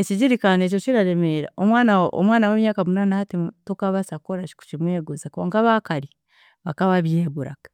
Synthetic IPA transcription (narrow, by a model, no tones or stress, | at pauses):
eciɟiɾikaːnec̬ociɾaɾemeɾa̰omwaːnao̰mwaːnawemjaːkamunanahatitokaβasakoɾat͡ʃi̥ku̥t͡ʃimweːɡuzakoːŋkaβaːkaɾi | βakaβaβjeːβuɾa̰kḁ